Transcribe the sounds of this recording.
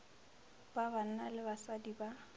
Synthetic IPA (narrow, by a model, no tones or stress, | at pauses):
b̥aban̩nalɪbasadiba